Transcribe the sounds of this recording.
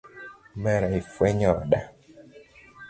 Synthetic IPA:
mɛɾaifwɛɲɔɗa

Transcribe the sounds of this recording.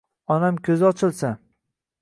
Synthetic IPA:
ɒnamkʲʰɵzɪɒt͡ʃʰɪlˠsa

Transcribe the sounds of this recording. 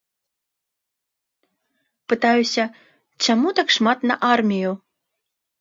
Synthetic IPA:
pɨt̪ajusʲɐ | t͡ɕamut̪akʂmat̪nɐʔarmʲiju

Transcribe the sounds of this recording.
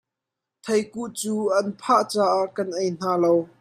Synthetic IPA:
t̪ʰɐjkuʔt͡suːʔɐnpʰaʔt͡saːʔaʔkɐnʔejn̥aːlow

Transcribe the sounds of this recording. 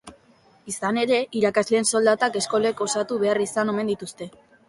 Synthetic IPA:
isane̞ɾe̞ʔiɾakazle̞ːnso̞ld̪at̪ake̞sko̞leko̞sat̪uβe̞arisano̞me̞nd̪it̪ust̪e̞

